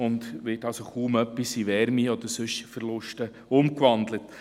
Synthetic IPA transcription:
ʊndʋɪtɑlsoχuːmœpːisiʋɛɾmiɔd̪əɾsɵʃfəɾlʊʃtə | ʊmkʋɑnd̪lət

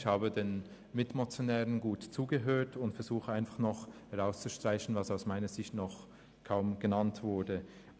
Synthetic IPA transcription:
çhaːbədeːn | mɪtmot͡sjonɛːʁənɡuːtt͡suːɡəɦøːɐtʊntfɛɐz̥uːχəaɪnfaχnɔχhɛʁaʊst͡suʃtʁ̥aɪçn̩vasaʊsmaɪnəzɪçtnɔχ | kʰaʊmɡ̥ənantv̥ʊɐdə

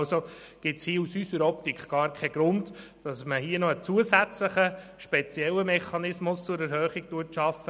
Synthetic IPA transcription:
so | ɡ̥ɪtshiːusysəɾɔp̚tikʰχɡ̥ɑːɾkʰɛɡ̥ɾʊnd | d̥ɑsməhiənɔət͡suəsæt͡sləχəʃpɛt͡sjɛlːəmɛχɑnɪsmʊst͡sʊɾɛɾɦœːχiɡ̥̚tuətʃɑfːə

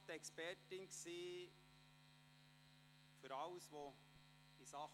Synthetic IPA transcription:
t̪ɛkspɛɾtɪnkseː | fyɾɑʊsʋo | d̥isɑ

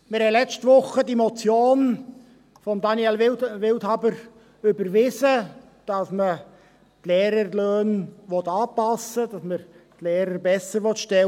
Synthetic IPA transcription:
mɪɾhɛlɛt͡stʋʊχədimɔt͡sjoːn | fɔmd̪ɑniɛlʋɪwthɑbəɾ | ʏbəɾʋɪsə | d̥ɑsmə | tlɛːɾəɾløːnʋɔt̪ɑːpɑsːəd̥ɑsməɾtlɛːɾəɾbɛsəɾʋɔtʃtɛ

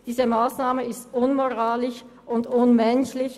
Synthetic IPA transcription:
d̥iːzəmaːsnaːməɪstʔʊnmoʁaːlɪç | ʔʊndʊnmɛnçlɪç

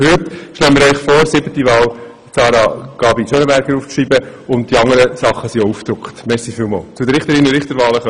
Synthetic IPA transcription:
hʏtʃlɛləmɪːɾœʏχfoːɾsɪbətiʋɑːl | sɑːɾɑɡ̥ɑːbiʃønəbɛɾɡəɾuːft͡sriːbə | ʊnt̚d̥iɑŋəɾəsɑχːəsiouːfd̥̪ɾʊkχtmɛsifilmɑ̰ːlt͡sʊdəɾɪχt̪əɾinəɾɪχt̪əɾvʋɑːləχ

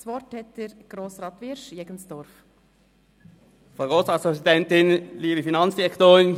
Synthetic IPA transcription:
sʋɔɾthɛt̚dɛɾɡ̥ɾoːsrɑːt̪ʋɪɾʃjɛɡənsd̥ɔɾf | fʁɑɡoːsʁɑːtspʁɛsidɛntɪnliːbəfinɑnsd̥iʁɛktoːʁɪn

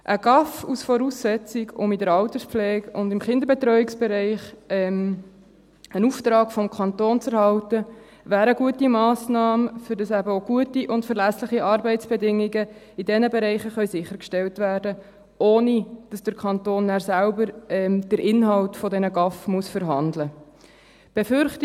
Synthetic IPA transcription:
ʔəɡɑfusfɔɾusːɛt͡sɪɡʊ̰midəɾɑltəspflɛːɡʊndɪmχɪnd̪əɾbɛtɾœʏɪksb̥ɛɾɛɪχɛm | ənuftɾɑːkfɔmkʰɑntoːnt͡sɛɾɦɑltə | ʋæːɾəɡuətimɑːsnɑːməfʏɾdɑsæbəoɡ̥uətiʔʊntfəɾlæslɪχiʔɑɾbɛɪtt͡sb̥ɛdɪŋːiɡə | idɛnəbɛɾɛɪχəχœʏsɪχːəɾkʃtɛltvæːɾdə | ʔoːnid̥ɑsd̥əɾkʰɑntoːnːæːɾsælbəɾɛmd̥əɾɪnɦɑltfɔdɛnəɡɑfmuəsfəɾɦɑndlə | b̥efʏɾχti

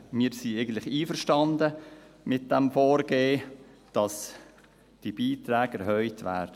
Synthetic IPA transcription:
miːɾsieɪɡən̩t̪lɪχiːfəɾʃtɑndəmɪt̚d̥ɛmfoːɾɡ̥eː | d̥ɑs | d̥ib̥iːtɾæːɡɛɾhœʏtʋæ̰ːɾd̥ə

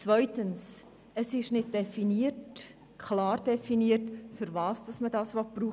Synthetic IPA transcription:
t͡svœʏtəns | əsɪʃnɪt̚d̥ɛfiniət | kʰlɑːrd̥ɛfiniːətfʏɾvɑːsd̥ɑsmədɑːsʋɔpruː

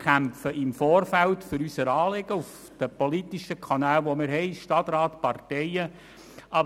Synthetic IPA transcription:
kʰæmpfəʔɪmfoːrfæltfʏɾysəɾɑːleɡ̥əuf | d̪̥əpolit̪iʃəkʰɑnæːlʋomɪɾɦɛɪʃtɑt̪rɑːt̪pɑrtɛɪə | ɑ

